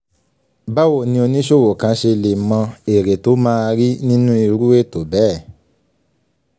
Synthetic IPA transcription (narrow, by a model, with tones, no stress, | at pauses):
ba˦wo˦˨nĩ˧o˧nĩ˦ʃo˦˨wo˨kã˨˧˦ʃe˧le˨mã˧e˨ɾe˨to˨˦mãː˦˧ɾi˦nĩ˦nũ˦i˧ɾu˦e˦˨to˨bɛ˨˦˨